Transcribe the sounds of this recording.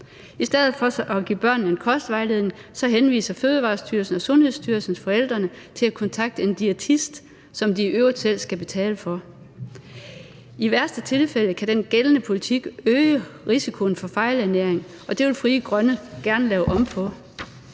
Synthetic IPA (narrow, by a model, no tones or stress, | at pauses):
isd̥eð̞̰̩ˠfɒ̽ʔɒɡ̥ḭːb̥ɶɐ̰n̩ːe̝nkʰɒ̽sd̥ʋɑ̈ɪleð̰ˠnŋsɒ̽ɦenʋḭːsɐføːð̞ˠʋɑ̈ːsd̥yɐlsn̩ɒ̽sɔ̽nhe̝ð̞̰ˠsd̥yɐlsn̩sfɒ̽el̰d̥ʁɐnə | t͡sʰe̝lækʰɒ̽nt͡sʰɑ̈ɡ̥̚d̥əe̝nd̥iet͡sʰisd̥ | sɒ̽md̥iʔøʊɐd̥sel̰sɡ̥æb̥e̝t͡sʰɛ̰ːləfɒ̽ | iʋæɐsd̥ət͡sʰe̝lfel̰əkʰæɾ̥enɡ̥elənəpʰo̝lit͡sʰiɡ̥øːəʁisikʰo̝n̩fɒ̽fɑ̈ɪlæɐneɐ̰e̝ŋ | ʔɒ̽d̥e̝ʋe̝lfʁiːəɡ̥ʁɶnəɡ̥æɐnəlɛːʊʔɒ̽mpʰɒ̽